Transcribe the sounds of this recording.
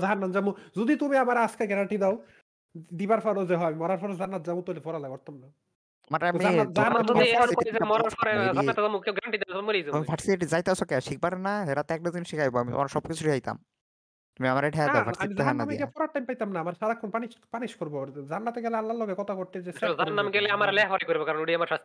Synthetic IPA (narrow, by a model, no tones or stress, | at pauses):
zaɦanːand͡ʑamud͡ʑod̪it̪umiamaɾeaskeɡɛɾaɳʈid̪ɛo | d̪ibaɾfʰaɾod͡ʑeɦɔamimɔɾaɾfʰɔɾezanːat̪d͡ʑamut̪ojlifɔɾalakoɾt̪amna | t̪omaɾamianːazaɦaaoiekimɔɾaɾfʰɔɾezaiat̪ezamukeɡɛɾaɳʈid̪ɛmmolijzamifʰaʈsiiʈid͡ʑajt̪easʰɔkɛʃik̚baɾenaeɾat̪eɛk̚ʈad̪inʃikʰajboamit̪o̰maɾʃɔbkit͡ɕʰuɾiɦajt̪a̰m | t̪umiamaɾeʈʰɛaaaaimizɦanaameɡɛfɔɾaɾʈːajmpajt̪amnaamaɾʃaɾakʰːonpaniʃpaniʃkoɾbod͡zanːat̪eɡɛlealːaɾlɔɡekɔt̪ʰakoʈt̪ed͡ʑesɛzanːamɡɛleamaɾlɛɦɔɾakoɾibokaɾɔnuɽiamaɾʃast̪i